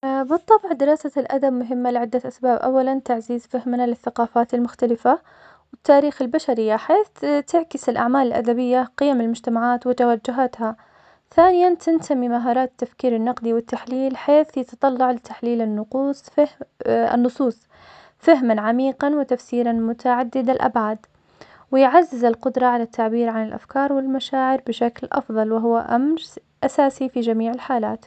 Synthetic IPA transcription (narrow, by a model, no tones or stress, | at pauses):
bɨt̪ˤːɑbʕd̪ɪɾɑːsalʔa̰d̪abmʊɦɪmːalɪʕɪd̪ːat̪ʔasbaːbʔa̰wːalant̪aʕziːzfahmnalɪθːaqɑːfaːt̪ɪlmʊxt̪alɪfa | wɪt̪ːaːɾiːxɪlbaʃaɾɪjːaħeːθt̪ɪʕkɪsɪlʔa̰ʕmaːlɪlʔa̰d̪abɪjːaqɪjamɪlmʊd͡ʒt̪amaʕaːt̪wɪt̪awad͡ʒːʊɦat̪ha | θaːnɪjant̪ɪnt̪amimaɦɑːɾˤɑːafkiːɾɪnːɑqd̪iwɪt̪ːaħliːlħeːθjɪt̪ɑt̪ˤɑlːɑʕlɪt̪ːḁħliːlɪnːʊquːsˤ | ɪ̰nːʊsˤuːsˤ | faɦmanʕamiːqɑnwɪt̪afsiːɾanmʊt̪aʕad̪ːɪd̪alʔa̰bʕaːd̪ | wɪjʕazːɪzɪlqʊd̪ɾˤɑʕalat̪ʰːaʕbiːɾʕanɪlʔa̰fkɑːɾˤwɪlmaʃaːʕɪɾbɪʃaklʔɑ̰fðˤɑlwɪɦʊwːa̰ʔamɾ | ʔasaːsifid͡ʒamiːʕɪlħaːlaːt̪